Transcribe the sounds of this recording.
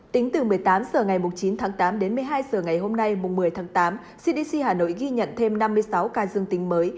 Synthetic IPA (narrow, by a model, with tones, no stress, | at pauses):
t̪ï˨˦ŋ̟t̪ɨ˨˩mɨ˨˩əjt̪aː˨˦msəː˧˩ŋa˨˩jmʊ˨˩ŋ͡mt͡ɕi˨˦nt̪ʰaː˨˦ŋt̪aː˨˦mɗe˨˦nmɨ˧˩əjɦaː˧jsəː˧˩ŋa˨˩jɦo˧mna˧jmʊ˨˩ŋ͡mmɨ˨˩əjt̪ʰaː˨˦ŋt̪aː˨˦m | si˧ɗi˧si˧haː˨˩no̰˧˨jɣi˧ɲə̰˧˨nt̪ʰe˧mna˧mːɨ˧əjsa˨˦wkaː˧zɨ˧əŋt̪ï˨˦ŋ̟məː˨˦j